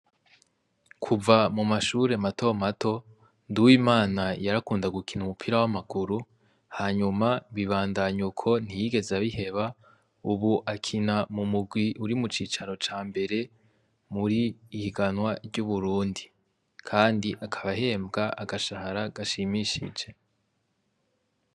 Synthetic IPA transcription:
kʰuvamumaʃuːɾe̞mato̞matʰo̞ | nduwimaːnajaɾakuːndaɡukʰinumupʰiɾawamaɡuɾu | haːɲumaβiβaːndaɲukʰo̞n̥ijiɡe̞zaβihe̞βa | uβuʔakʰinamumuɡwiʔuɾimut͡ʃiːt͡ʃaɾo̞t͡ʃaːmbe̞ɾe̞ | muɾiːhiɡanwaɾɟuβuɾuːndi | kʰaːndiʔakʰaβaɦe̞ːmbɡaʔaɡaʃahaɾaɡaʃimiʃḭd͡ʒe̞

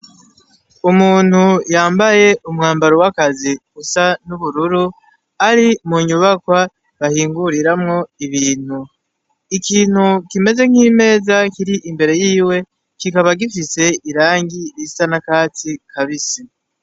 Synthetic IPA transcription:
umuːn̥hujaːmbaje̞ʔumŋaːmbaɾowakaziɡusanuβuɾuɾu | aɾimuɲuβakwa | βahiːŋɡuɾiɾamŋo̞iβiːn̥hu | ikiːn̥hukime̞ze̞ŋ̥hiːme̞ːzakiɾiʔimbe̞ɾe̞jiːwe̞ | kikaβaɡifise̞iɾaːŋɡiɾisanakaːt͡sikʰaβisi

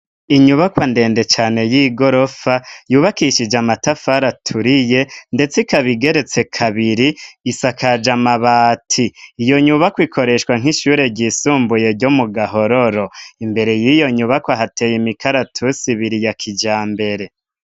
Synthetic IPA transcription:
iɲuβakwande̞ːnde̞t͡ʃaːne̞jiːɡo̞ɾo̞fajuːβakiʃid͡ʒamatafaɾatʰuɾije̞nde̞t͡sekaβiɡe̞ɾe̞t͡se̞kʰaβiɾiːsakʰad͡ʒamaβaːtʰiːjo̞ɲuβakwikʰo̞ɾe̞ʃkwaŋ̥iʃuɾe̞ɟiːsuːmbuje̞ɾɟomuɡaɦo̞ɾo̞ɾo̞imbe̞ɾe̞jijo̞ɲuβakwaɦate̞jimikaɾatʰusiβiɾijakʰid͡ʒaːmbe̞ɾe̞

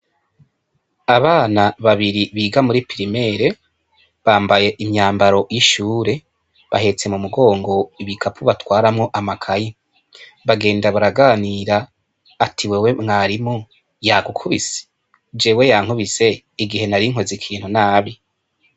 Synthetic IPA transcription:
aβaːnaβaβiɾiβiːɡamuɾipiɾime̞ːɾe̞ | βaːmbaje̞ʔimɲaːmbaɾo̞ʔjiʃuːɾe̞ | βa̰he̞t͡se̞mumuɡo̞ːŋɡo̞iβikʰapʰuβatwaːɾamŋo̞ʔamakʰaji | βaɡe̞ːndaβuɾaɡaniːɾaː | tʰiwewe̞mŋaːɾimu | jaɡukʰuβisi̥ | d͡ʒe̞ːwe̞jaːŋ̥huβise̞ | iɡihe̞naɾiŋ̥o̞zikʰiːn̥hunaːβi

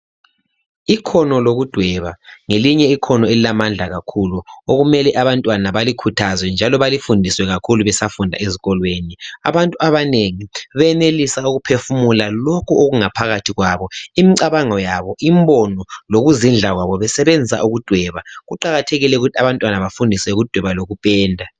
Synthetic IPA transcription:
ikʰɔnɔloɣud̥ʱwɛβaŋeliɲɛikʰɔnɔelilamand͡ɮʱaɣakʰuluoɣumɛlɛʔaβantʼwanaβalikʰutʰazwɛnd͡ʒʱalɔβalifundʱiswɛɣakʰuluβɛsafundʱa̰eziɣɔlweːnia̰βantʼuaβaneŋiβɛnelisauɣupʰefumulalokʰuoɣuŋapʰaɣatʰiɣwaβɔimiǀaβaŋɔjaβɔʔimbɔnɔloɣuzind͡ɮʱaɣwaβɔβɛsɛβend͡zʱisa̰ʔuɣud̥ʱwɛβaɣuǃaɣatʰeɣilɛuɣutʰiaβantʼwanaβafundʱisɛuɣud̥ʱwɛβaloɣupʼɛːndʱa

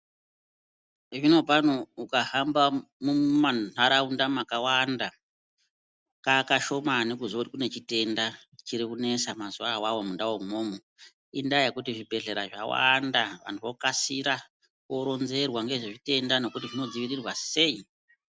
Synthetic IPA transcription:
ʐino̞pan̤uukahambamumanaɾaundamakawanda | kakaʃo̞manekuzotikune̞t͡ʃite̞nda | t͡ʃiɾikune̞samazuawawomundawomomu | indajakutiʐibʱe̞ɮe̞ɾaʐa̰wa̰ndaʋa̰n̤tuʋokasiɾa | koɾo̞nze̞rwaŋɡe̞ʐeʐite̞ndano̞kutiʐinod͡ziʋirirwase̞i

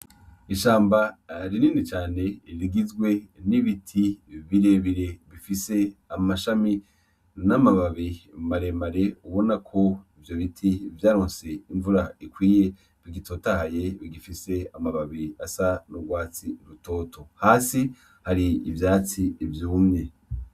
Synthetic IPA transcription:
iʃaːmbaɾiniːnit͡ʃaːne̞iɾiɡizɡwe̞niβitʰiβiɾeβiɾe̞βifise̞amaʃami | namaβaβimaɾe̞maɾe̞uβo̞nakʰo̞ivjo̞βitʰivjaːɾoːnse̞iɱvuɾaikwiːje̞ | βiɡitʰoːtahajeβiɡifise̞amaβaβiasanuɡwaːt͡siɾuto̞ːtʰo̞haːsi | haɾiːvjaːt͡siːvjuːmɲe̞

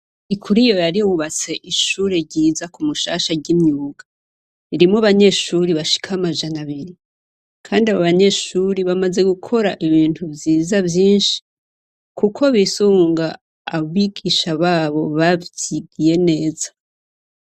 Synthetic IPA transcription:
ikʰuɾijo̞jaɾiouβat͡se̞ʔiʃuːɾeɾɟiːzakumuʃaːʃaɟimɲuːɡa | iɾimoβaɲe̞ʃuɾiβaʃi̥kʰaamaʒanaβiɾi | kʰaːndiaβoβaɲe̞ʃuɾiβamaze̞ɡukʰo̞ɾaʔiβiːntʰuvjiːzavjiːnʃi̥ | kukʰo̞βisuːŋɡaː | βiɡiʃaβaːβo̞βaβiɡije̞ne̞ːzḁ

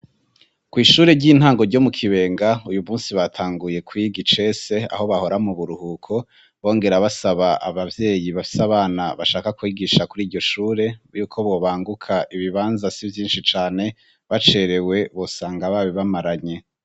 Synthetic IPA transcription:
kwiːʃuːɾe̞ɟiːn̥haːŋɡo̞ɾɟo̞mukʰiβe̞ːŋɡaujumuːnsiβatʰaːŋɡuje̞kwiɡit͡ʃe̞se̞a̰ho̞βaho̞ɾamuβuɾuhukʰo̞ | βo̞ːŋɡe̞ɾaβasaβaʔa̰βavje̞ːjiβafi̥saβaːnaβaʃaːkakwiːɡiʃakuɾiːɾɟo̞ʃuːɾe̞juːkʰo̞βo̞βaːŋɡukʰaʔiβiβaːnzasivjiːnʃit͡ʃaːne̞ | βat͡ʃe̞ɾe̞we̞βo̞saːŋɡaβaːβiβamaɾaɲe̞

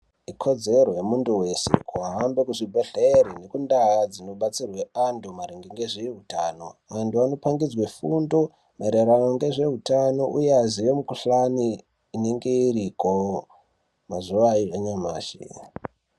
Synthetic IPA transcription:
ikʰo̞d͡ze̞ro̞jemunduwe̞sḛkuaɦambekuʐibʱeɬeɾine̞kundajad͡zino̞ɓat͡sirwe̞andomaɾiŋɡeŋɡeʐeɦutaːno̞̰ʋantuano̞paŋɡid͡zwefundo̞ | meɾeɾanoŋɡe̞ʐe̞ɦutano̞ʔujeaziʋemukuɬaniː | ne̞ŋɡe̞iɾiko | mazuʋaiaɲama̰ːʃḛ

